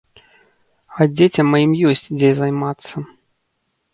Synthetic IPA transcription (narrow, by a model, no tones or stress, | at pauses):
ɐd͡zʲet͡sʲɐmːajimjɔsʲt͡sʲd͡zʲɛjzajmat̪sːɐ